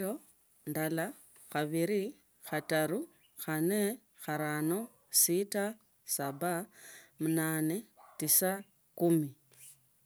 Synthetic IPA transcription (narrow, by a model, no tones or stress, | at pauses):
o | ndala | xaβiɾi | xataɾu | xane | xaɾano̞ | sita | sabamunaːne̞tisa | kumi